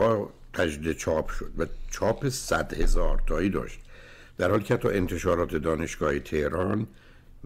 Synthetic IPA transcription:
ɒː | t̪ʰæd͡ʒd̪iːd̪et͡ʃʰɒːpʰʃod̪̥væt͡ʃʰɒːpʰesæd̪he̞zɒːɾt̪ʰɒːiːd̪ɒ̰ːʃt̪̚ | d̪̥æɾhɒːliːcehæt̪ʰːɒ̰ʔe̞nt̪ʰe̞ʃɒːɾɒːt̪ʰe̞d̪ɒːne̞ʃɡ̥ɒːhet̪ʰehɾɒːn

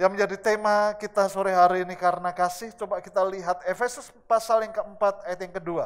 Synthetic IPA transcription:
jaŋməɲd͡ʒadit̪emakit̪asoɾɛɦaɾiːnikaɾənakasɪht͡ʃobakit̪aliɦat̪̚efesʊs | pasaljaŋkəəmpat̪̚ajat̪jaŋkədua

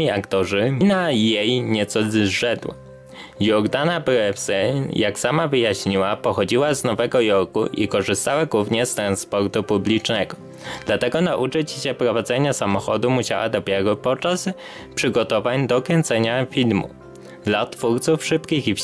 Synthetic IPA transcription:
iakt̪ɔʐɘnajejɲɛt̪sɔzʐɛd̪wa̰ | jɔɾd̪anapɛfsɛjaksamavɘjaɕɲiwapɔxɔd͡ʑiwaznɔvɛɡɔjɔɾkṵʔḭkɔʐɘst̪awaɡwuvɲɛst̪ɾanspɔɾt̪upublʲit͡ʂnɛɡɔ | d̪̥lat̪ɛɡɔnaʔut͡ʂɘt͡ɕɕɛpɾɔvad̪zɛɲasamɔxɔd̪umuɕa̰wa̰d̪ɔpʲjɛɾɔpɔt͡ʂas | pʂɘɡɔt̪ɔvaɲd̪ɔkʲɛnt̪sɛɲafʲilmṵ | d̪lat̪fuɾt̪sufʂɘpkʲixif

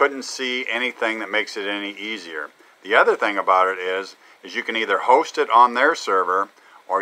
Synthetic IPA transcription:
ʊdⁿn̩tsiɛñiθɪ̃ŋðɨt̚meɪksɨɾɛniʔiziə̰˞ | ðiʌðə˞θɪ̃ŋəbaʊɾɪɾɪz | ɨzjɨkɨ̃niðə˞hoʊstɨɾn̩ðə˞sɜ˞və˞ | ə˞

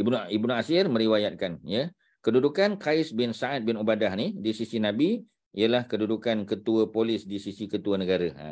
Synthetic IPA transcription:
ibnibnuasɪrmə̃ɾiwajat̪̚kanjə | kədudukankaɪsbɪnsaʔat̪̚bɪnubadahnidisisinabi | ijəlahkədudukankət̪uəpolɪsdisisikət̪uənəɡaɾəa̰

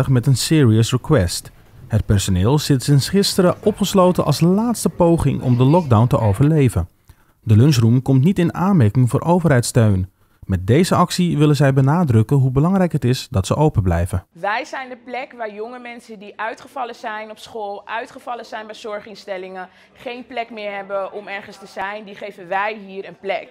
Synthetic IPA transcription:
əχmɛtənsɪːɹiəsrəkwɛst | hət̚pɛɹsonɪːlˠsɪtsɪnsχɪstəɾəʔɔpχəslowtənʔɑ̰lˠslaːtstəpowχɪ̰ŋʔɔ̰mdəlɔɡ̚dawntəʔowvəɹlejvən | dəløns̬rumkɔmtnitɪnaːnmɛɹkɪŋvʊːɹʔowvəɹɦɛjtstøɥn | mɛt̚dejzəʔɑksiʋɪlənzɛjbənaːdrɵkənɦubəlɑŋrɛjkɦətɪsdɑtsəʔowpəblɛ̰jvəʋɛjzɛjndəplɛkʋaːɹjɔŋəmɛnsəndiʔœɥtχəvɑlənzɛjnɔpsχoːlˠʔœɥtχəvɑlənzɛjnbɛjz̥ɔɹχɪnstɛlɪŋən | χejnplɛkmɪːɹɦɛbənɔmɛɹχənstəzɛjndiχejvənʋɛjɦiːɾənplɛk

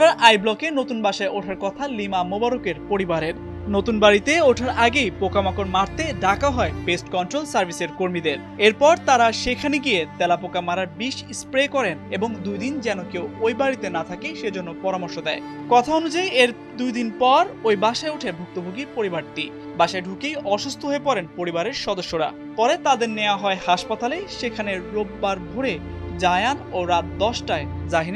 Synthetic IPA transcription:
aɾʔajblɔkenot̪unbaʃaeoʈʰaɾkɔt̪ʰalimamobaɾokeɾpoɾibaɾeɾ | not̪unbaɾit̪eoʈʰaɾaɡejpokamakoɾmaɾt̪eɖakaɦɔebesʈkɔnʈɾolsaɾbʱiseɾkoɾmid̪eɾ | eɾpɔɾt̪aɾaʃekʰaniɡijet̪ɛlapokamaɾaɾbiʃspɾekɔɾeneboŋd̪ujd̪ind͡ʑɛnokewojbaɾit̪enat̪ʰakeʃed͡ʑonːopɔɾamoɾʃod̪ɛe | kɔt̪ʰaonud͡ʑajeɾ | d̪ujd̪inpɔɾojbaʃaeuʈʰebʱuk̚t̪obʱoɡiɾpoɾibaɾt̪i | baʃaeɖʱukejɔʃust̪ʰoɦoepɔɾenpoɾibaɾeɾʃɔd̪oʃːoɾa̰ | pɔɾet̪ad̪eɾneoaɦɔehaʃpat̪aleʃekʰaneɾːob̚ːaɾbʱoɾe | d͡ʑajanoɾat̪̚d̪ɔʃʈaed͡ʑaɦin

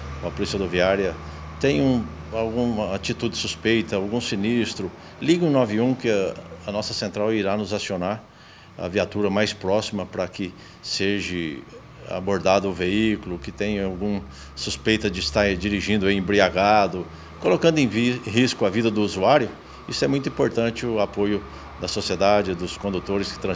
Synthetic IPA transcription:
ɐpolisiɐd̪oviaɾjɐ | t̪ẽj̃ũawɡũɐat͡ʃit̪ud̪ɪsuspejt̪ɐawɡũsinist̪ɾʊ | liɡɪũnɔvɪũkɪɐɐnɔsɐsẽnt̪ɾawiɾanʊzasionaɾ | ɐ̰viat̪uɾɐmajspɾɔsimɐpɾɐkɪ | seʒɪ | a̰boɾd̪ad̪ʊʊveikʊlʊkɪt̪ẽj̃ɐawɡũ | suspejt̪ɐd͡ʒɪɪst̪aɾd͡ʒiɾiʒĩnd̪ʊɐiẽbɾiaɡad̪ʊ | kolokɐ̃nd̪ʊẽṽɦiskʊɐvid̪ɐd̪ʊːzuaɾjʊ | isʊɛmũj̃t̪ʊĩpoɾt̪ɐ̃nt͡ʃɪʊapojʊ | d̪ɐsosied̪ad͡ʒɪd̪ʊskõd̪ut̪oɾɪskɪ̥t̪ɾɐ̃

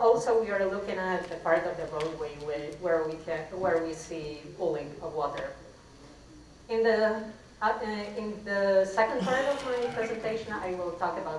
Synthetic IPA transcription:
ɔlˠsoʊwiə˞lʊkɪ̃ŋɨt̪̚ðɨpʰɑɹɾʌvðɨɹoʊd̚weɪwɪwə˞wikʰɨ̃wə˞wisipʊlˠɪ̃ŋʌvwɔɾə˞ | ɪ̃nðɨ | ɪ̃nðəsɛkə̃nd̚pʰɑɹɾʌvmaɪpʰɹ̥ɛzɛ̃ntʰeɪʃɨ̃na̰ɪwɪlˠtʰɔkəbaʊt

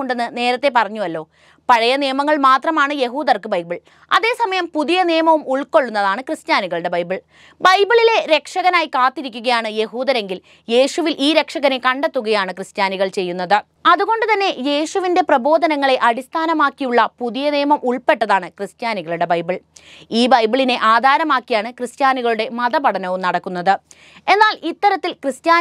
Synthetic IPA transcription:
oɳɖenːɨne̞ːɾɐt̪ːe̞pɐrɐɲːuɐlːo̞ː | pɐɻɐjɐnijɐmɐŋːɐɭmaːt̪rɐmaːɳɨje̞ɦuːd̪ɐrkɨbɐjbiɭ | ɐ̰ðe̞ːsɐmɐjɐmpuðijɐnijɐmɐʋumuɭko̞ɭːunːɐðaːɳɨkrɨstjaːniɣɐɭuɽe̞bɐjbiɭ | bɐjbiɭile̞ɾe̞kʂɐɣɐnaːjkaːt̪ːiɾikʲːuɣɐjaːɳɨje̞ɦuːðɐɾe̞ŋɡil | je̞ːɕuʋilʔiːɾe̞kʂɐɣɐne̞kɐɳɖet̪ːuɣɐjaːɳɨkrɨstjaːniɣɐɭt͡ɕe̞jːunːɐðɨ | ɐðuɣo̞ɳɖɨt̪ɐnːe̞je̞ːʂuʋinde̞prɐbo̞ːd̪ʱɐnɐŋːɐɭe̞ʔɐɽist̪ʰaːnɐmaːkːijuɭːɐpuðijɐneːmɐmʔuɭpe̞ʈːɐðaːɳɨkrɨst̪jaːniɣɐɭuɽe̞bɐjbiɭiːbɐjbiɭine̞ʔaːd̪ʱaːɾɐmaːkːijaːɳɨkrɨst̪jaːniɣɐɭuɽe̞mɐðɐbɐɽɐnɐʋumnɐɽɐkːunːɐðɨ | e̞nːaːlit̪ːɐɾɐt̪ːilkrɨst̪jaː

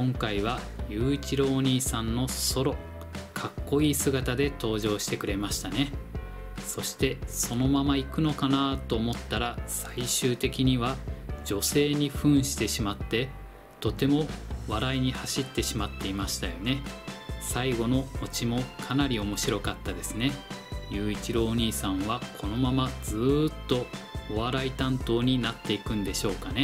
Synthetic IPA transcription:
kõŋkaiβ̞a | jɯ̟ːit͡ɕiɾo̞ːɲ̟iːsãnːo̞so̞ɾo̞ | kʰakːo̞iːsɨɡat̪ad̪e̞t̪o̞ːʑo̞ːɕi̥t̪e̞kɯ̟ɾe̞maɕi̥t̪ane̞ | so̞ɕi̥t̪e̞so̞no̞mamaikɯ̟no̞kanat̪o̞ːmo̞t̪ːaɾasaiɕɨːt̪e̞kʲiɲ̟iβad͡ʑo̞se̞ːɲ̟iɸɯ̟̃ɰ̃ɕi̥t̪e̞ɕimat̪ːe̞ | t̪o̞t̪e̞mo̞βaɾaiɲ̟ihaɕit̪ːe̞ɕimat̪ːe̞imaɕi̥t̪ajo̞ne̞saiɡo̞no̞ot͡ɕimo̞kʰanaɾʲio̞mo̞ɕiɾo̞kat̪ːad̪e̞sɨne̞jʲɨːit͡ɕiɾo̞ːɲ̟iːsãɰ̃βakʰo̞no̞mamad͡zɨt̪ːo̞ːβaɾait̪ãnt̪o̞ːɲ̟inat̪ːe̞ikɯ̟̃nd̪e̞ɕo̞ːkane̞

